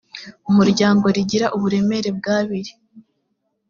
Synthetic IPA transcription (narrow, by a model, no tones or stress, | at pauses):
umuɾɟaːŋɡo̞ɾiɟiɾaʔuβuɾe̞me̞ɾe̞b̚ɡaːβiɾi̥